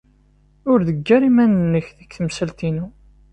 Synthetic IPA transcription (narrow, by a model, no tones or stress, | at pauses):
ʊɾðəɡːæɾimænənːəçðəkθəmsəlt̪inu